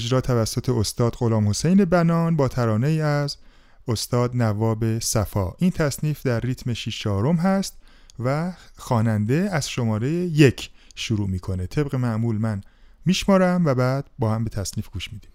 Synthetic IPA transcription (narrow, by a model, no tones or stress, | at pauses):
d͡ʒɾɒːt̪ʰævæsːot̪ʰe̞ost̪ɒːd̪̥ɢo̞lɒːmho̞sejne̞bænɒːnbɒːt̪ʰæɾɒːneiːæz | ost̪ɒːd̪nævɒːbe̞sæfɒːʔint̪ʰæsniːfd̪æɾːiːt̪ʰmeʃiʃt͡ʃʰɒːɾo̞mɦæst̪ | væxɒːnænd̪e̞æz̥ʃo̞mɒːɾe̞jeje̞cʰʃuɾuːmiːkʰo̞net̪ʰe̞bɣe̞mæʔmuːlmænmiːʃmɒːɾæmvæbæːd̪̥̚bɒːhæmbe̞t̪ʰæsniːfɡ̥uːʃmiːd̪iːm